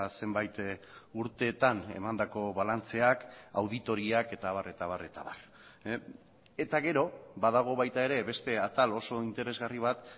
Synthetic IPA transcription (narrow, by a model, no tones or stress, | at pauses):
se̞mbajt̪ | uɾt̪e̞ːt̪ane̞̰mand̪ako̞βalant͡se̞akawðit̪o̞ɾiake̞t̪aβ̞are̞t̪aβ̞are̞t̪aβar | e̞t̪aɣe̞ɾo̞baðaɣ̞o̞βajt̪ae̞ɾe̞βe̞st̪e̞at̪alo̞so̞int̪e̞ɾe̞zɣariβ̞at̪